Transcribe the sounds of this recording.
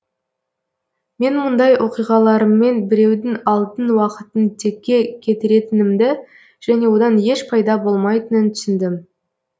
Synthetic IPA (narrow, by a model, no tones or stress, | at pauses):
me̞nmʊnd̪ɑjwʔo̞qijʁɑlˠɑɾəmːe̞nbɪɾe̞wd̪ɪŋɑlˠt̪ənwɑqət̪ənt̪ʰe̞kʲːe̞kʲʰe̞t̪ɪɾe̞t̪ɪnɪmd̪ɪ | ʒ̥æne̞wo̞d̪ɑnje̞ʃpʰɑjd̪ɑbo̞lˠmɑjt̪ənənt̪ʰʏ̥sɪnd̪ɪm